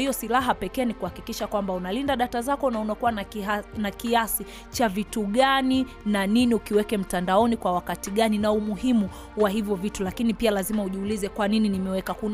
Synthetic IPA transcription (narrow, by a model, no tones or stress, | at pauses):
iɔsilaɦapɛkɛːnikuhakikiʃakwambaunalindaɗatazakɔnaunakuwanakiasi | t͡ʃavituɠani | naniniukiwɛkɛm̩tandaɔnikwawakatiɠaninaumuhimu | waɦivjɔvitulakinipialazimauʄiulizɛkwanininimɛwɛkakun